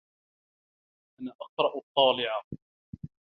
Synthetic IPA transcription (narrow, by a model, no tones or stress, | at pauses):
ʔanaʔɑqɾˤɑʔɑt̪ˤːɑːlɪʕa